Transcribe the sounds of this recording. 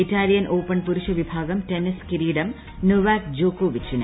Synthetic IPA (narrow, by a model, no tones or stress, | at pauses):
itaːlijɐnʔoːpɐɳpuɾuʂɐʋibʱaːɡɐmteniskiɾiːɽɐm | nuʋaːkd͡ʑoːkoːʋit͡ɕːinɨ̰